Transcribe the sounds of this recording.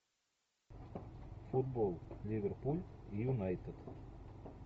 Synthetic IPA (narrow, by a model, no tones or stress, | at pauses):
fud̪̚bolˠlʲivʲerpulʲijunajt̪ət̪